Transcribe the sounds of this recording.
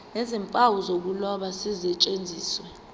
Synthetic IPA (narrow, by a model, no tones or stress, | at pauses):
nɛzɛmpʼawuzok̬ulɔɓasizɛt͡ʃʼend͡zʱiːswɛ